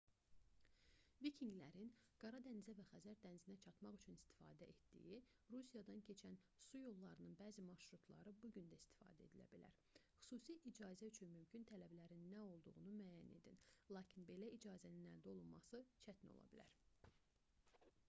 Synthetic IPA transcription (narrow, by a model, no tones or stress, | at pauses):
vicʰiŋɡlæɾinɡ̥ɑɾɑd̪ænizævæxæzæɾd̪ænzinæt͡ʃʰɑt̪mɑʁyt͡ʃʰynist̪i̥fɑ̰ːd̪æʔet̪d̪ḭji | ɾusijɑd̪ɑncʰe̞t͡ʃʰæn | sujo̞lˠːɑɾɯnɯnbæːzimɑɾʃɾut̪ʰlˠɑ̰ɾɯbuɟynd̪æist̪i̥fɑ̰ːd̪æed̪ilæ̰bilæ̰ɾ | χy̥suːsiʔid͡ʒɑːzæyt͡ʃʰynmymcʰynt̪ʰælæblæɾinːæo̞lˠd̪uʁunumæːjæne̞̰d̪inlˠɑːcʰinbe̞læid͡ʒɑːzæninæ̰ld̪io̞lˠunmɑ̰sɯt͡ʃʰæt̪ʰino̞̰lˠɑ̰bilæ̰ɾ